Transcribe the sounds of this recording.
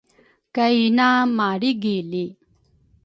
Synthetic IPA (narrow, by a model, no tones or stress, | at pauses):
kɐinaːmaːɽiɡeːli